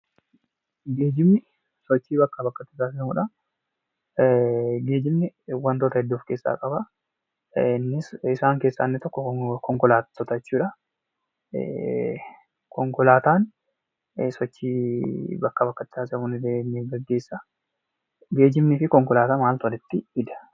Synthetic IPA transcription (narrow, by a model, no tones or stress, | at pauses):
ɡe̞ːd͡ʒɪmnɪ | sɔt͡ʃːiːbɐkːɐbɐkːɐt̪ːɪsaːs̬ɪɐmuːᶑɐ | ɡe̞ːd͡ʒɪmnɪwɐnt̪oːt̪ɐhɛd̪ːoːfke̞ːsːa̰ːkʼɐbɐ | ɪnːɪsɪsaːŋke̞ːsːɐnːɪt̪ɔkːɔkɔŋkɔlaːt̪ːɔt̪ɐt͡ʃːuːᶑɐ̰ | kʰɔŋkɔlaːt̪aːn | sɔt͡ʃːiːbɐkːɐbɐkːɐt̪ːɪ̥saːsɪɐmʊnɪd̪enːeɡɐɡːe̞ːsːɐ | ɡe̞ːd͡ʒɪmnɪfɪkɔŋkɔlaːt̪aːmaːlt̪ʊɐnɪt̪ːɪɪd̪ɐ̥